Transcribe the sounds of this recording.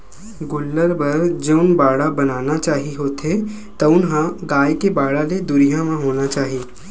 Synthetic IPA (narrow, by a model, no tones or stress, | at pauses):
ɡʊlːəɾbɐɾd͡ʒeʊnbaːɽabɐnaːnat͡ʃaːɦiɦoːt̪e | t̪ɐʊnɦãɡaːjkebaːɽaled̪ʊɾijãmãɦoːnat͡ʃaːɦieː